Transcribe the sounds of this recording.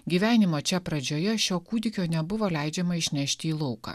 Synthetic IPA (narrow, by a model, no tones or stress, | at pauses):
ɡʲiːʋʲæːnʲɪmoːt͡ʃʲɛpɾɐd͡ʒʲoːjɛʃʲoːkuːd̪ʲɪkʲoːnʲɛbʊʋoːlʲæˑɪd͡ʒʲɛmɐɪʃʲnʲæˑʃʲt̪ʲɪiːlˠɔʊkɑ̰ː